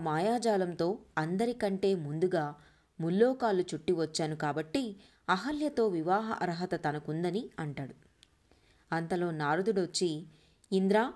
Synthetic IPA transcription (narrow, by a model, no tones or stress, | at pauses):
maːjaːd͡ʒaːlɐmt̪o̞ːɐnd̪ɐɾikɐɳʈe̞ːmund̪uɡaː | mulːɔːkaːlut͡ʃuʈːiʋɐt͡ʃːaːnukaːbɐʈːi | ɐɦɐljɐt̪o̞ːʋiʋaːɦɐ̰ʔɐɾɐɦɐt̪ɐt̪ɐnɐkund̪ɐniɐɳʈaːɽu | ɐnt̪ɐlo̞ːnaːɾud̪uɽot͡ʃːiː | nd̪ɾaː